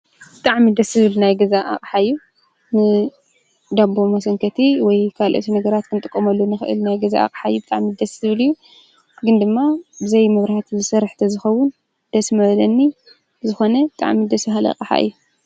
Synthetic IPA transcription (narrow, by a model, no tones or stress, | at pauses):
bɨt̪ʼaʕmid̪ɐsɨβɨlnajɡɐzaʔa̰qʼħaɨjːu | nɨ | d̪ambomɐsɐŋkʰɐt̪ʰiwɔjkʰalʔɐ̰t̪ʰinɐɡɐɾat̪kʰɨnt̪ʼɨkʼːɐmɐlːonɨxɨʔɨ̰lnajɡɐza̰a̰kʼħajːubɨt̪ʼa̰ʕmid̪ɐsɨβɨlɨjːu | ɡɨnd̪ɨmːabɨzɐjmɐβɾahat̪ʰzɨsɐɾħt̪ʰɐzɨxɐwːʊn | d̪̥ɐsmɐβlɐnːi | zɨxo̞nɐbɨt̪ʼa̰ʕmid̪ɐsbaɦalɐ̰kʼħa̰ʔɨ̰jːu